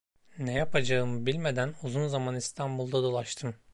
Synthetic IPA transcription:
nɛjapʰad͡ʒaɯmɯbilʲme̞d̪ænuzunzamanist̪ʰanbulˠd̪ad̪o̞lˠaʃt̪ʰɯm

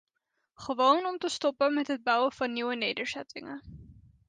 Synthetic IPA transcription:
χəʋownɔmtəstɔpəmɛtɦəd̚bʌwəv̥ɑnːiwənejdəɹzɛtɪ̰ŋə

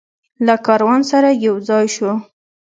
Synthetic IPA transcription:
lakɑɾwɑnsaɾajawd͡zɑjʃu

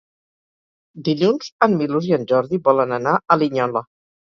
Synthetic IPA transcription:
d̪iʎunz̥ənmiluziənʲʒɔɾðiβɔlənənaəliɲɔlə

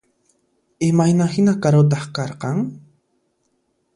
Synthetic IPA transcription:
ɪmajnahɪnakaɾʊt̪̬ɑχkɑɾqɑŋ

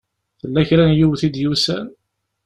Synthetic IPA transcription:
θəlːæçɾænjuwθid̪jusæ̰n

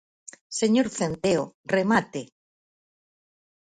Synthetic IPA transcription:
seɲoɾθent̪eoremat̪e

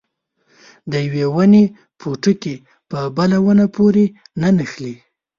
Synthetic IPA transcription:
d̪əjawewane | pʰoʈəke | pəbalawənapoɾe | nanəxli

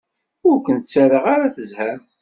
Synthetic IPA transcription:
ʊɾkʷənt̪t͡sːaɾəʁaɾaθəzhæm

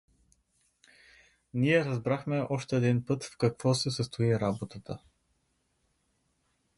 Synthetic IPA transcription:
niɛɾɐzbɾaxmɛʔɔʃt̪ɛːd̪inpɤt̪fkɐkvɔsɛsəst̪ʊiɾabot̪ət̪ə

